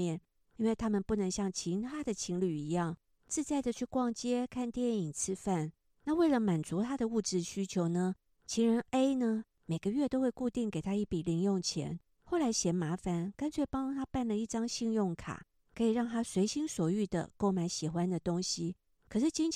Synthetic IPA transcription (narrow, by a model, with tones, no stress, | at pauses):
jɛ˥˨n | i˥nwe˥˩ɪt̪ʰa˥mə˨npu˥˩nə˧˥ŋɕjɑ˥˩ŋt͡ɕʰi˧˥nxa˥d̪ə˨t͡ɕʰi˧˥ŋly˨˩i˧˥jɑ˥˩ŋ | t͡sɹ̩˥˧t͡sa˥˩ɪd̪ə˨˩t͡ɕʰy˥˧kwɑ˥˩ŋt͡ɕjɛ˥kʰa˥˧nt̪jɛ˥˩ni˨˩ŋt͡sʰɹ̩˥fa˥˩n | na˥˧we˥˩ɪlə˨˦ma˨˩nt͡su˧˥t̪ʰa˥d̪ə˨u˥˧ʈ͡ʂɻ̩˥˩ɕy˥t͡ɕʰjo˧˥ʊnə˨ | t͡ɕʰi˧˥ŋɻə˧˥ne˥ɪnə˨ | me˨˩ɪɡə˦ɥɛ˥˧t̪o˥ʊxwe˥˧ɪku˥˧t̪i˥˩ŋke˨˩ɪt̪ʰa˥i˥˩pi˨˩li˧˥ŋjʊ˥˩ŋt͡ɕʰjɛ̰˧˥n | xo˥˩ʊla˧˥ɪɕjɛ˧˥nma˧˥fa˨˩nkə˥nt͡sʰwe˥˩ɪpɑ˥ŋt̪ʰa˥pa˥˩nlə˨i˥˩ʈ͡ʂɑ˥ŋɕi˥˧ŋjʊ˥˩ŋkʰa̰˨˩˦ | kʰɤ˧˥i˨˩ɻɑ˥˩ŋt̪ʰa˥swe˧˥ɪɕi˥nswɔ˨˩y˥˩d̪ə̰˩ko˥˩ʊma˧˥ɪɕi˨˩xwa˦nd̪ə˨t̪o˥ŋɕi˦ | kʰɤ˨˩ʂɻ̩˥˩t͡ɕi˥ŋʰ